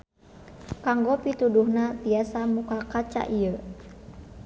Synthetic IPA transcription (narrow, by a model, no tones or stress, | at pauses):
kaŋɡɔpit̪uduhnat̪iasamukakat͡ʃa̰ʔiə